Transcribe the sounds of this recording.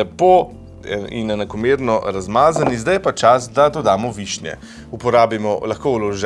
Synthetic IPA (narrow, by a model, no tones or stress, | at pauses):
ɛpo | ḭnɛnakɔmeːɾnɔɾazmaːzanizd̪ajpat͡ʃasd̪ad̪ɔd̪aːmɔʋiʃnjɛ̰ | upɔɾaːbimɔlaxkoːwlɔʒɛ